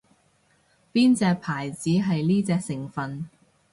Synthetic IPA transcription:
piː˥nt͡sɛː˧k̚pʰaː˨˩jt͡siː˨˥ɦɐ˨jliː˥t͡sɛː˧k̚sɪ˨˩ŋfɐ˨n

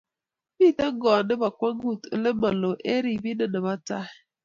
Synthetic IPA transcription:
pi˦˨ta˦ŋ̩˦ɡɔ˨nɪ˦ba˨kʷa˦ŋ̩˦ɡu˦˨tḛ˦le˦ma˨lo˨ʔe˦ɾi˨bi˦ne˦na˨ba˦ta˦ɪ˨

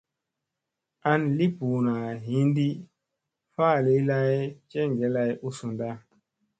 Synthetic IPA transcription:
a˦nli˦pu˨na˨ɦi˦ndi˦ | faː˦˨li˨˦la˦jt͡ʃe˦ŋɡe˨˦la˧˦ju˦su˨nda˦

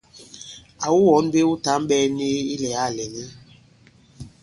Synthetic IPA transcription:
a˨wu˦wɔ˨˦n˦be˦u˦ta˦m˦ɓɛː˦ne˦i˦lɛ˨a˦˨lɛ˨ni˦

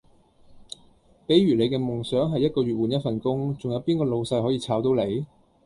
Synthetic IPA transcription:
pe˨˥jɥyː˨˩le˨˧jkɛː˧mʊ˨ŋsœː˨˥ŋɦɐ˨jːɐ˥t̚kɔː˧ɥyː˨t̚wuː˨njɐ˥t̚fɐ˨nkʊ˥ŋt͡sʊ˨ŋjɐ˨˧wpiː˥nkɔː˧lo˨˧wsɐ˧jɦɔː˨˥jiː˧t͡sʰaː˨˥wt̪o˨˥wle˨˧j

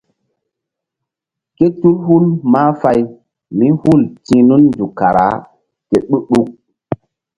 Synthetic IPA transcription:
ke˦tu˦lhu˦lmaː˦fa˦j | mi˦hu˦˨ltĩ˨nu˦nd͡ʒu˨ka˨ɾa̰˨˦ | ke˨ɗu˦ɗu˦k̚

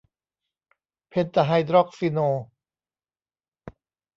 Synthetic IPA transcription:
pʰe˧nt̪a˧ɦa˧jd̪ɾɔ˦˥˩k̚si˧noː˧

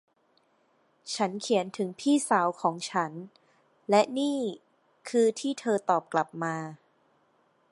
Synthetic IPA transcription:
t͡ɕʰa˦˥nkʰi˩˦ənt̪ʰɯ˩˦ŋpʰiː˥˩sa˩˦wkʰɔː˩˦ŋt͡ɕʰa˦˥n | lɛ˦˥niː˥˩ | kʰɯː˧t̪ʰiː˥˩t̪ʰɤː˧t̪ɔː˨˩p̚kla˨˩p̚maː˧

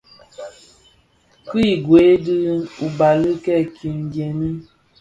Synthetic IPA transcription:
ki˦˨ɡwe˨˦dɨ˦u˨ba˨lɨ˦kɛ˦˨kʰi˨ŋ˨ɡjɛ˨ni˦

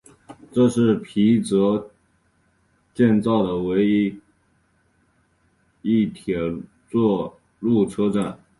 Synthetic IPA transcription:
ʈ͡ʂɤ˥˧ʂɻ̩˥˩pʰi˧˥t͡sɤ˧˥ | t͡ɕjɛ˥˧nt͡sɑ˥˩ʊd̪ə˩we˧˥ɪi˥ | i˥˩t̪ʰjɛ˨˩ | t͡swɔ˥˧ | lu˥˩ʈ͡ʂʰɤ˥ʈ͡ʂa˥˩n

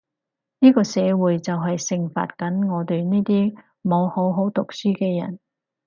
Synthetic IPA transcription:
niː˥kɔː˧sɛː˨˧wuː˨˧jt͡sɐ˨wɦɐ˨jsɪ˨ŋfa̰ː˨t̚kɐ˨˥nŋɔː˨˧t̪e˨jniː˥t̪iː˥ | mo˨˧who˨˥wɦo˨˥wt̪ʊ˨k̚syː˥kɛː˧jɐ̰˨˩n

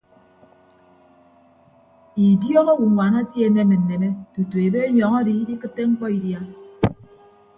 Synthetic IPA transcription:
i˨djɔ˦ŋɔ˦wu˨wʷa˨na˦tje˦˨˦ne˦me˨n̩ː˨e˨me˦tu˨tu˨e˨be˦ɲɔ˨ŋa˦di˦di˦kɨ˦tːe˦ŋ͡m̩˦k͡pɔ˦i˨dja˦

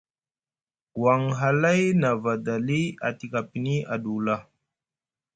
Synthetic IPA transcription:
wa˨ŋɦa˨la˦jna˨va˨da˨li˦a̰˨ti˨ka˨pi˨ni˦a˨ɗu˨la˦

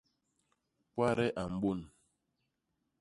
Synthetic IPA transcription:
pwa˦ɾɛ˦ʔa˨m̩˦bo˦˨n

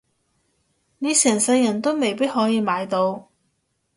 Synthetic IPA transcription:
ne˨˧jsɛː˨˩ŋsɐ˧jɐ˨˩nt̪o˥wme˨jpiː˥t̚hɔː˨˥jiː˨˧maː˨˧jt̪o˧w

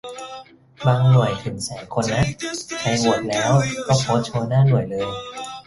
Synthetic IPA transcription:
baː˧ŋnu˨˩əjt̪ʰɯ˨˩˦nsaː˩˦jkʰo˧nːa˦˥kʰa˧jwu˨˩ət̪̚lɛː˦˥wkɔː˥˩pʰoː˦˥t̪̚t͡ɕʰɤː˧naː˥˩nu˨˩əjlɤː˧j

